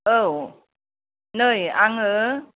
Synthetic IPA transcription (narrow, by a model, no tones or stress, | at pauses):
ʔəw | nəːjʔaŋə